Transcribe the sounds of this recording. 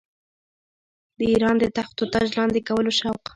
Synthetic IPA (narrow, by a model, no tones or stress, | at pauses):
d̪əiɾɑnd̪ət̪axt̪ot̪aʒlɑnd̪ekawəloʃawq